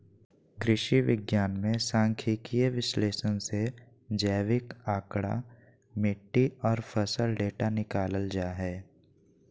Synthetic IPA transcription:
kɾɪʃiʋɪɡjaːnmẽsãːŋkʰikieʋɪsleːsənse | d͡ʒəːʋɪkaːkɽa̰ | mɪʈːiɔːɾfʰəsəlɖeːʈanɪkaːləld͡ʒaːɦɛː

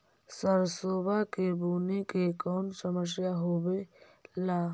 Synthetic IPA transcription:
səɾsoːbakebuːnekekɔːmsəməʃ̬jaɦoːwelaː

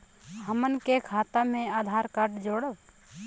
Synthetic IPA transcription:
həmənkekʰaːt̪amẽad̪ʱaɾkaɾʈd͡ʒoːɽəw

